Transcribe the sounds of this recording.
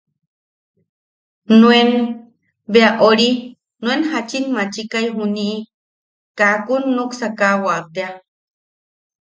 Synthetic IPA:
nũem | beaʔoɾi | nuenhat͡ʃinmat͡ʃikaiɦuniʔː | kakunːuksakawat̪ea

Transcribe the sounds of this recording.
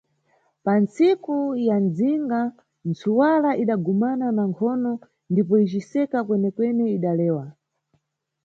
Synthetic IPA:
pant͡sikujand͡ziŋɡa | nt͡suwalaʔiɗaɡumananaŋkʰɔnɔ | ndip̬ɔit͡ʃisɛkakwɛnɛkwɛnɛiɗalɛːwa

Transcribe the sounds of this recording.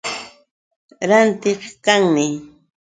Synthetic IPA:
ɾant̪ɪqkaŋmɪ

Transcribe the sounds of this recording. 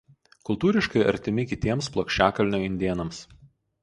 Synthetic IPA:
kʊlˠt̪uːɾʲɪʃkɐɪʔɐ̰ɾʲt̪ʲɪmʲɪkʲɪt̪ʲiɛmsplˠoːkʃʲt͡ʃʲæːkɐlʲnʲoːɪnʲd̪ʲeɛnɐms

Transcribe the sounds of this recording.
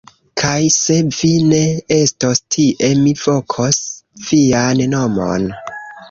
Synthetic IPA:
kʰajse̞vine̞estostʰiʔemiv̥o̞kʰosv̥ianno̞mo̰n

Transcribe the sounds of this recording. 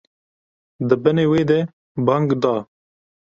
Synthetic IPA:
d̪ɨbɨneːweːd̪ɛ | bɑŋɡd̪ɑː

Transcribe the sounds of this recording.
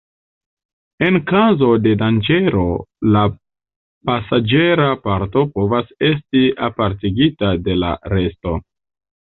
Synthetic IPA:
e̞nkazo̞de̞dand͡ʒe̞ɾo̞la | pasad͡ʒe̞ɾapaɾto̞po̞vase̞s̬tiapaɾtiɡitade̞la̰ɾe̞sto̞

